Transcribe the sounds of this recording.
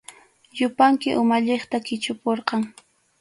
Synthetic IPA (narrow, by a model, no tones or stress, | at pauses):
jʊpaŋkɪʔʊmaʎeχt̪akɪt͡ʃʊpoɾqɑŋ